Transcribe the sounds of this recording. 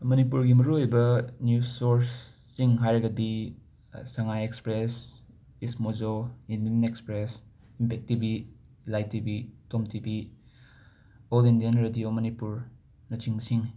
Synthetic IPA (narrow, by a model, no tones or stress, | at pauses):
mɐnipuɾɡimɐɾuojbɐnjusoɾsː | iŋɦajɾɐɡɐdi | sɐŋajekspɾes | ismozoindinekspɾes | impʰek̚tibi | lajtːibitomtibi | olindijanɾedijomɐnipuɾ | nɐtiŋbɐsiŋ